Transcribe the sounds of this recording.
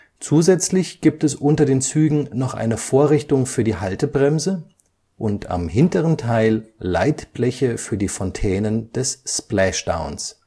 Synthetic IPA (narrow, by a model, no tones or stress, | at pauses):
t͡suːzɛt͡slɪçɡ̥iːp̚tɛsʔʊntɐdeːnt͡syːɡŋ̩nɔχʔa̰ɪnəfoːɐʁɪçtʊŋfyːɐdiːɦaltəbʁɛmzə | ʔʊntʰa̰mɦɪntəʁəntʰaɪlla̰ɪtb̥lɛçəfyːɐdiːfɔntʰɛːnənd̥ɛssplɛʃd̥a̰ʊns